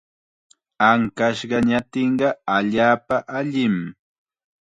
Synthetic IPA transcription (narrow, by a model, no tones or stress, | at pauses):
aŋkaʃɢɑɲat̪ɪɴɢɑaʎaːpaʔaʎɪm